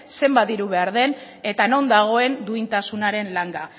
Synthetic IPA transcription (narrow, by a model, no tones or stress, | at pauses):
se̞mbaðiɾuβe̞aɾðe̞n | e̞t̪ano̞nd̪aɣ̞o̞e̞nd̪uint̪asunaɾe̞nlaŋɡa